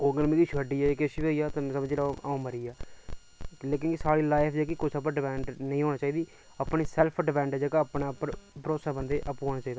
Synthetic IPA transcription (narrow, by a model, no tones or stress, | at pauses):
oːɡəlmiɡiːʃəɖiːaːkəʃiboːiːaːt̪ãsəmd͡ʒlaːaũməɾiːaː | leːkɪnkɪsaːɾiːlaːɪpʰd͡ʒeːkɪkʊt͡ʃʰəp̬ɖɪmɛ̃ːɳɖnəĩːɦoːñaːt͡ʃaːiːd̪iː | əpɳiːsɛlpʰɖɪmɛ̃ːɳɖɛd͡ʒəɡaəpɳãːpɾpəɾoːsaːbənd̪eːʔəpːɦoːnaːt͡ʃaːiːd̪aː